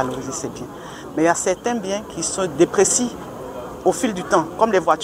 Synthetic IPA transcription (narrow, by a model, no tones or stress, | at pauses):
aloiʒisɛbjɛ̃ | mɛiljasɛʁt̪ɛ̃bjɛ̃kʰisɔ̃d̪epχesi | ofild̪yt̪ɑ̃kɔmlɛvwat̪